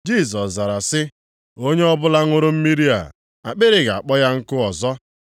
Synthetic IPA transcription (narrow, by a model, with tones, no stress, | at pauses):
d͡ʒi˦˨s̬ɔ˨sza˨ɾa˨sɪ˦ | o˦ɲe˦ɔ˦bʊ˦la˦ŋʊ˦ɾʊ˦m̩˦mi˦ɾi˦a̰˨ | a˨k͡pe˦ɾɪ˨ɡa˨a˨k͡pɔ˦ja˦ŋ̩˦kʊ˦ɔ˨zɔ˦